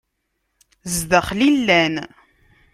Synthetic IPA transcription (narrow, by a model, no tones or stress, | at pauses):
zðəχlilːæn